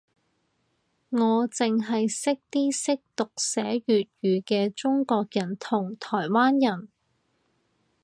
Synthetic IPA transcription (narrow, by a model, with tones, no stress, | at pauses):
ŋɔː˨˧t͡sɪ˨ŋɦɐ˨jsɪ˥k̚t̪iː˥sɪ˥k̚t̪ʊ˨k̚sɛː˨˥ɥyː˨t̚ɥyː˨˧kɛː˧t͡ʃʊ˥ŋkɔː˧k̚jɐ˨˩nt̪ʰʊ˨˩ŋt̪ʰɔː˨˩jwaː˥njɐ˨˩n